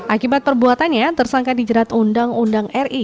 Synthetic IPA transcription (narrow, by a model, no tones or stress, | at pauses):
ʔakibat̪̚pərbuat̪anɲat̪ərsaŋkadid͡ʒəɾat̪undaŋundaŋɛri